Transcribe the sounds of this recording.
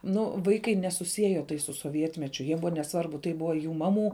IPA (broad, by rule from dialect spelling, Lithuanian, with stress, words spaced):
nʊ ˈʋɐɪkɐɪ nʲɛsʊˈsʲiɛjɛ tɐɪ sʊ soːˈʋʲiɛtʲmʲɛt͡ʃʲʊ jiɛ ˈbʊʋoː nʲɛˈsʋɐrbʊ tɐɪ ˈbʊʋoː juː ˈmɑːˌmuː